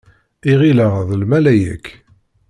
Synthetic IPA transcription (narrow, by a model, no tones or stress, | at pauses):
iʁiləʁðlmælæjæ̰kː